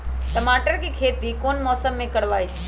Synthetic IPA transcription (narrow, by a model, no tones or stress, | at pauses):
ʈəmaːʈəɾkikʰeːt̪ikoːnmɔːsəmːẽkəɾʋaːi